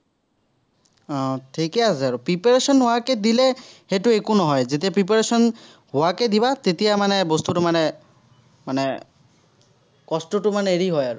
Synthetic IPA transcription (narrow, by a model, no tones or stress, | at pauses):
ʈʰikeasaɾupɾipeɾesɔnɦoaked̪ileheʈuekunɔɦɔed͡ʒet̪̬iapɾip̬eɾesɔn | ɦoaked̪ibat̪et̪iamanebɔst̪uʈumane | mane | kɔsʈuʈumaneeɾiɦɔjaɾu